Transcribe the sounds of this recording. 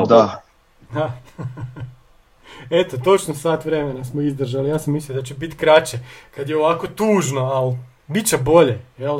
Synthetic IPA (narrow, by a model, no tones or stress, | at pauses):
d̪a | d̪a | et̪ot̪o̞t͡ʃnosaːt̪ʋɾe̞menasmoizd̪r̩ʒalijaːsamislijod̪at͡ɕebit̪kɾat͡ɕekad̪jeoʋako̞t̪uːʒno̞al | bitt͡ʃebo̞ʎejel